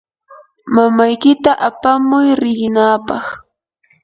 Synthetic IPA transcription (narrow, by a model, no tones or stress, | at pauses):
mamajkɪt̪aʔapamʊjɾɪjɪnaːpɑχ